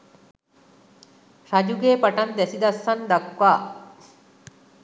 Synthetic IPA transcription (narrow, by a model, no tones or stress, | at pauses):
ʃɐd͡ʒuɡeːpɐʈɐnd̪ɛsid̪ɐsːɐnd̪ɐkwaː